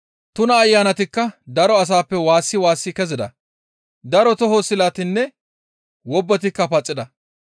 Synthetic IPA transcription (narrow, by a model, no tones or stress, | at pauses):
t̪ʊnɐːjːaːnɐt̪ɪkːɐd̪ɐɾɔɐs̬aːpːɛwaːsːɪwaːsːɪkɛzɪd̪ɐ̰ | d̪ɐɾɔt̪ɔɦosɪlat̪ɪnːɛ | wɔbːɐt̪̬ɪkːɐpɐt͡sʼːɪd̪ɐ